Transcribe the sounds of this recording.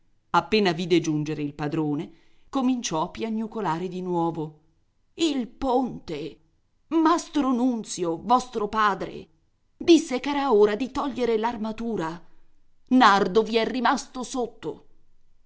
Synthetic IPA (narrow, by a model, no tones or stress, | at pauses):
apːeːnaviːd̪ed͡ʒund͡ʒeɾeilpad̪ɾoːne | komint͡ʃɔapːjaɲːukolaːɾed̪inwɔːvo | ilpont̪e | mast̪ɾonunt̪sjovɔst̪ɾopaːd̪ɾḛ | d̪isːekɛːɾaoːɾad̪it̪ɔʎːeɾelarmat̪uːɾa | nard̪oviɛrːimast̪osot̪ːo̰